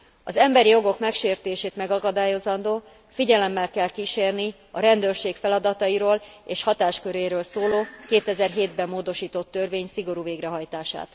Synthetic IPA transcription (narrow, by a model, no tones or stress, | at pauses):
ɒzɛmbɛɾijo̞ɡo̞kmɛkʃeːrt̪eːʃeːt̪mɛɡɒkɒd̪aːjo̞zɒnd̪oː | fiɟɛlɛmːɛlkɛlkiʃeːrni | ɒɾɛnd̪øːrʃeːkfɛlɒd̪ɒt̪ɒiɾoːleːʃhɒt̪aːʃkøɾeːɾøːlsoːloːkeːt̪ɛzɛrɦeːd̪bɛmːoːd̪o̞ʃiːt̪o̞t̪ːørveːɲsiɡo̞ɾuːveːɡɾɛɦɒjt̪aːʃa̰ːt̪